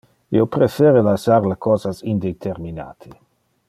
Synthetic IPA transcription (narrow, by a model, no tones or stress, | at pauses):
iopɾefeːɾelasaɾlakɔːzasind̪et̪ʰeɾmina̰ːt̪ʰi